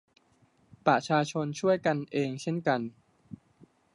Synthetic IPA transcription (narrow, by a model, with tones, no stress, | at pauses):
pɾa˧t͡ɕʰaː˧t͡ɕʰo˧nt͡ɕʰu˥˩əjka˧nʔeː˧ŋt͡ɕʰe˥˩nka˧n